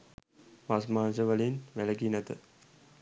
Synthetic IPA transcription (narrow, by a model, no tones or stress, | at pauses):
masmaːns̬əʋəlinʋæləɡinət̪ə